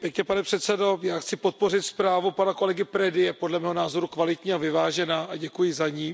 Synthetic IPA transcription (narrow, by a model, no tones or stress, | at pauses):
pjɛkɲɛpanɛpr̝̥ɛt̪sɛdo̞jaːxt͡sɪpo̞t̪̚po̞rɪt̪spɾaːvupanako̞lɛɡɪpɾɛdɪjɛpo̞dlɛmɛːɦonaːzo̞ɾukvalɪt̪ɲiːavɪvaːʒɛnaːʔaɟɛkujɪzaɲiː